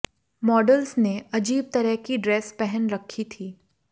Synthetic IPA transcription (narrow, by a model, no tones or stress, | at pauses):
mɔːɖəlsneɐd͡ʒiːb̚t̪ɐɾəɦkiɖɾɛːspɛɦənɾɐkʰːit̪ʰiː